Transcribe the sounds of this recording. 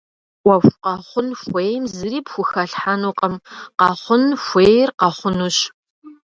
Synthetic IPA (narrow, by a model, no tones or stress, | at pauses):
wʷɐfʷqɑχʷʊnxʷeːjmzɨɾiːpxʷʊxɐɬħanuːqʼɐmqɑχʷʊnfʷeːjrqɑχʷʊnuɕ